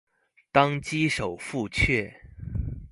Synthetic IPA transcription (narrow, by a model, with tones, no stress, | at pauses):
t̪ɑ˥ŋt͡ɕi˥ʂo˨˩ʊfu˥˧t͡ɕʰɥɛ˥˩